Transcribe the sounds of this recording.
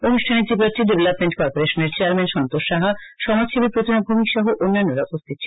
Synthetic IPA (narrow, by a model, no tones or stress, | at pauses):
onuʃʈʰaned͡ʑipaɾʈiɖebelapmeɳʈ̚kɔɾpoɾeʃoneɾt͡ɕeaɾmenʃɔnt̪oʃːaɦaʃɔmad͡ʑʃʰebepɾot̪ʰinobʱumikʃɔɦoʔonːanːoɾaopost̪ʰit̪̚ːt͡ɕʰe